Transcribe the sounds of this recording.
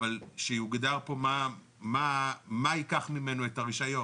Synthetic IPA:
valʃejuɡdaʁpo̞ma | mamaikaχmime̞noetaʁiʃajo̞

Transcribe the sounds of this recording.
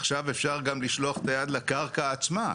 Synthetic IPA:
aχʃavefʃaʁɡamliʃloaχet̪ajad̪lakaʁkaːt͡sma

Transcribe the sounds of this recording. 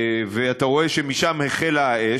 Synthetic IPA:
veat̪aʁo̞e̞ʃemiʃamheχelae

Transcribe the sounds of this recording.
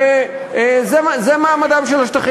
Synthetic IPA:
zemzemaːmad̪amʃelaʃt̪aχ

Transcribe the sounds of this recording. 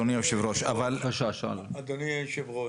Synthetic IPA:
onijaʃivɾoʃa̰valaʃaʃa̰lad̪oniaʃivʁo

